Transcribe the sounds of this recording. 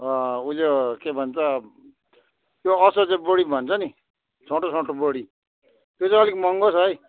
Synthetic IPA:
ʌulokebʱʌnt͡sʰʌ | joʌsʌd͡zebʌɽibʱʌnt͡sʰʌni | sʰõʈosõʈoboɽi | jot͡sʌ̃ʌlikmʌŋɡosʌj

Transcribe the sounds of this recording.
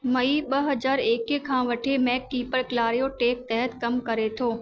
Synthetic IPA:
mɐiɓɐɦɐzaːɾeːkkʰãːʋɐʈʰemɛːkːiːpəɾkɪlaːɾijoʈeːk̚t̪ɛɦət̪kɐmkɐɾet̪ʰoː

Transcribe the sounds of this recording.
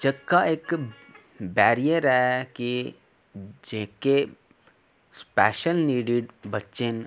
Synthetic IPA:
d͡ʒɐɡkːaeːk | bɛːɾijəɾɦɛki | d͡ʒɪɦke | spɛːʃəlniːɖɪɖbɐtːt͡ʃen

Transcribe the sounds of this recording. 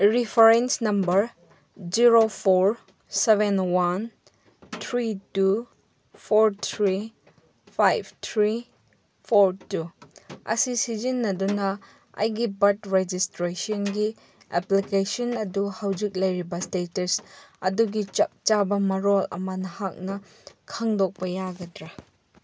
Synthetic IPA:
ɾipʰɐɾensnɐmbɐɾ | d͡ʒiɾopʰoɾ | seβenwan | t̪ʰɾitu | pʰoɾt̪ʰɾi | pʰajb̚t̪ʰɾi | pʰoɾtuɐ̰sisid͡ʒinːɐdunɐ | ɐ̰jɡibɐtɾed͡ʒistɾesɔnɡi | eplikesɔnɐduhawd͡ʒik̚lɐjɾibɐstetɐɾsɐduɡit͡ʃɐk̚t͡ʃabɐmɐɾolɐ̰mɐnɐhak̚nɐ | kʰɐŋdok̚pɐjaɡɐdɾɐ

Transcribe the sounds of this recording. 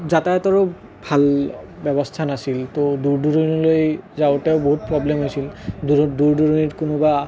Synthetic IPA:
zatatɔɹo | bʱalbɛbɔstʰanasiltoduɹduɹɔnɔlojzaʊtɛʊboɦut̚pɹɔblɛmɦojsilduduɹduɹoniɹkunɔba

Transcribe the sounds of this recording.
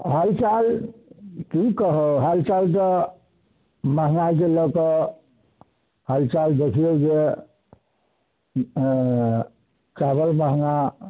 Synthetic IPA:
ɦalt͡ʃal | kikəɦoɦalt͡ʃalt̪ə | məɦŋakeləkə | halt͡ʃald̪ekʰijod͡ʒe | t͡ʃabəlməɦŋa

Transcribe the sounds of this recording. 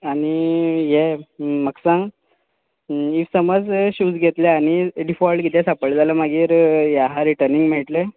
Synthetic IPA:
aɽ̃ijeməksã | iʋsəməd͡zɕuːd͡zɡʱet̪leaɽ̃iɖifɔlʈkit̪ʰɛ̃sapəɭled͡zalamaɡiːɾjaɦaɾiʈəɾniŋɡmɛɭʈle

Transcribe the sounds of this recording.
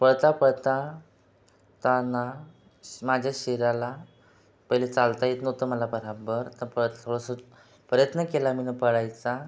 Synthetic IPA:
pəɭt̪apəɭt̪a | t̪ana | mad͡ʑʱjaɕiɾala | pəjlet͡salt̪ajet̪nət̪əməlabəɾabəɾt̪əɾpət̪ʰoɽəsə | pəɾjət̪nəkelaminəpəɽajt͡sa

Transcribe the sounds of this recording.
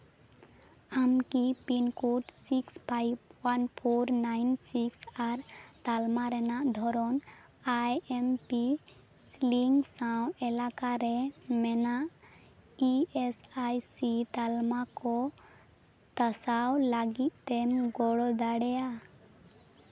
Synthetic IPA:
amkipinkuʈsikspʰajb̚wanpʰoɾnajnsiksaɾt̪almaɾɛnaʔd̪ʱɔɾɔn | ajɛmpi | sliŋɡsãw̃ɛlakaɾɛmɛnaʔ | iesajsit̪almakɔ | t̪əsawlaɡit̪̚ˀt̪ɛmɡɔɽɔd̪aɽɛja

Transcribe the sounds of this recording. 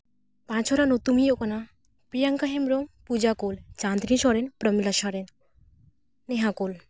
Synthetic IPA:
pãt͡ʃʰɔɾanot̪umijokɔna | pijaŋkəɦemɾompud͡ʒakolt͡ʃand̪nĩʃɔɾenpɾəmilaʃɔɾen | eɦãkol

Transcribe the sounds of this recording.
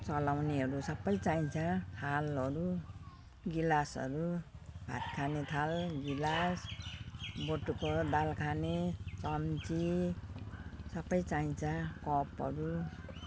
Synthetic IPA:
t͡sʌlawneɦʌɾusʌbʌjt͡saĩt͡sʰãhalʌɾu | ɡilasʌ̰ɾubʱa̰t̪kʰanet̪ʰalɡilas | boʈukod̪alkʰanet͡sʌmt͡si | sʌbʌjt͡saĩt͡sʰãkɔpɦʌ̰ɾu

